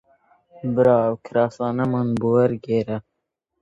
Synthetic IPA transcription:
bɾɑːwkʰɾɑːsɑːnɐmanbuwɐɾɡeːɾa

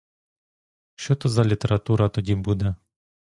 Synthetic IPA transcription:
ʃt͡ʃɔt̪ɔzɐlʲit̪eɾɐt̪uɾɐt̪ɔdʲibud̪ɛ

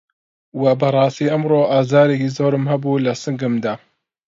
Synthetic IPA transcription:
wɐbɐɾˤɑːst̪iːʔɐmɾoʔaːzaːɾekizoːɾɨmhɐbuːlɐsɨŋɡɨmd̪aː

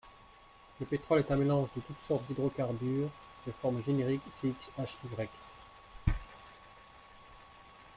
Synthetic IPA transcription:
ləpet̪χɔlɛt̪ɛ̃melɑ̃ʒd̪ət̪ut̪sɔʁt̪̚d̪id̪ʁokaʁbyʁ | d̪̥əfɔʁmʒeneʁikseiksaʃiɡʁɛk

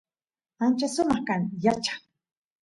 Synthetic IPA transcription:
ant͡ʃasʊmɑχkaŋjat͡ʃḁŋ

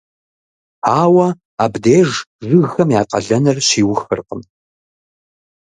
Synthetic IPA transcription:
aːwɐ | aːbdeːʒzɨɣxɐmjaːqɐ̰ɮɐnɐrɕiːwʊxɨ̰rqəm

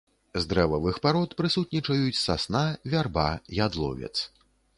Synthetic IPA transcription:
zd̪ɾɛvɐvɨxpaɾɔt̪pɾɨsut̪̚nʲit͡ʂɐjut͡sʲsasnavʲarbajad̪lˠɔ̰vʲɛ̰t̪s

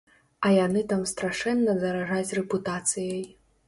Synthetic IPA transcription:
ɐjanɨt̪amst̪ɾaʂɛnːɐzɐɾaʐat͡sʲrɛput̪at̪sɨjɐj

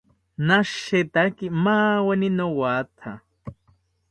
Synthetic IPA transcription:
naʃet̪akimaweninowat̪ʰa

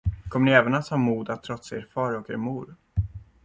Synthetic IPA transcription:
kʰɔmːəɳɪɛːvənat̪hɑːmuːd̪at̪ʰːɾɔt̪seɾfɑːɾɔkḛːɾmuːɾ

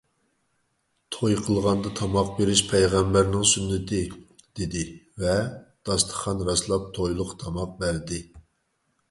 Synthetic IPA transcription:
t̪ʰojqʰəlˠʁɑnd̪ɑt̪ʰɑmɑq̚beɾɪʃpʰɛjʁæmbæɾnɪŋsynːɪt̪ʰɪ | d̪̥ɪd̪ɪvɛd̪̥ɑst̪ʰə̥χɑnɾɑslˠɑp̚t̪ʰojlˠəqt̪ʰɑmɑq̚bæɾd̪ɪ

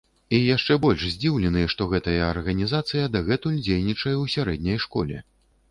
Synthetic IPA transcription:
ijaʂt͡ʂɛbɔlʲʂzʲd͡zʲiwlʲɛnɨjɛʂt̪ɔɣɛt̪ɐjɐːrɣɐnʲizat̪sɨjɐd̪ɐɣɛt̪ulʲd͡zʲejnʲit͡ʂɐjɛwsʲaɾɛd̪̚ʲnʲɐjʂkɔ̰lʲɛ̰

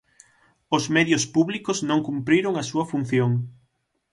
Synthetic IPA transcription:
ʊzmeðjʊspuβlikʊznõŋkumpɾiɾoŋɐsuɐfun̟θjoŋ

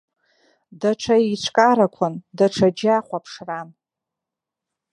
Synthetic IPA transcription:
daʈ͡ʂʷʰait͡ʃʷʰkʼaɾakʷʰʊndaʈ͡ʂʰad͡ʒaχʷapʰʂran

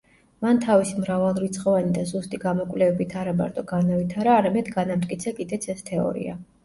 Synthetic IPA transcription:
mant̪ʰavisimɾavalˠɾit̪sʰʼχʼɔvanid̪azust̪ʼiɡamɔkʼvlɛvɛbit̪ʰaɾama̰ɾt̪ʼɔɡanavit̪ʰaɾaːɾamɛd̪ɡanamt̪ʼkʼit̪sʰakʼid̪ɛt̪sʰɛst̪ʰɛɔ̰ɾḭa̰

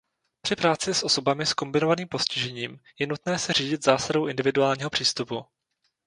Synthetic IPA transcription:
pr̥ɪpɾaːt͡sɪsʔo̞so̞bamɪsko̞mbɪno̞vaniːmpo̞scɪʒɛɲiːmjɛnut̪nɛːsɛr̝iːɟɪt̪zaːsadowʔɪndɪvɪduaːlɲiːɦo̞pr̥iːst̪upu

